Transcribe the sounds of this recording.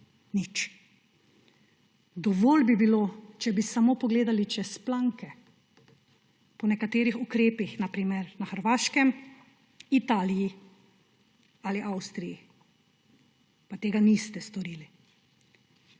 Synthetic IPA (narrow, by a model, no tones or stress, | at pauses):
nit͡ʃ | d̪ɔʋoːlbibilot͡ʃɛbisamoːpɔɡleːd̪alit͡ʃɛsplaŋkɛ | pɔnɛkat̪eːɾixukɾeːpixnapɾiːmɛɾnaxəɾʋaːʃkɛm | it̪aːliji | aliʔawst̪ɾiji | pat̪eːɡanist̪ɛst̪ɔɾiːli